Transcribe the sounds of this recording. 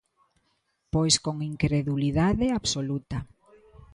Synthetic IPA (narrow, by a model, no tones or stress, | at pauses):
pojskoŋiŋkɾeðuliðaðeaβsolut̪ɐ